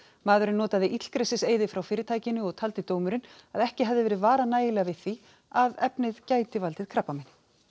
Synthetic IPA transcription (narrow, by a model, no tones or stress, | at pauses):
maːðʏɾɪnːɔːt̪aðɪʔit̪l̥kɾejsɪseːjðɪfɾawfɪːɾɪt̪ʰaːjcɪnʏɔɣt̪ʰalt̪ɪt̪oːwmʏɾɪnaðɛhcɪɦɛvðɪvɛːɾɪðvaːɾanaːjɪlɛɣavɪðθi | avɛpnɪðcaːjt̪ɪvalt̪ɪð̥kʰɾapːamɪn